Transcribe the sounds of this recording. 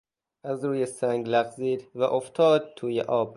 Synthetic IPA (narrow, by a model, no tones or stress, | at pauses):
ʔæzɾuːjesæŋɡlæɣziːd̪væʔoft̪ʰɒːd̪̚t̪ʰuːjḛʔɒːb̥̚